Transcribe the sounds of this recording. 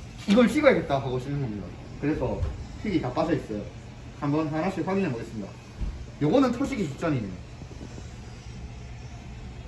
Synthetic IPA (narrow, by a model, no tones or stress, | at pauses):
iɡʌɭɕʰiɡʌjeɡe̞t̚t͈aɦaɡoɕʰinɯnɡʰoinɡa̰ | kɯɾe̞sʰʌpʰiɡitap͈asʰʌis͈ʌjo̰ | hambʌnsanɦaɕʰiɸwaɡinɯnmʌɡets͈ɯmɲida̰ | joɡʌnɯntʰoɕʰiɡiɕʰit͡ɕ͈ʌninɯo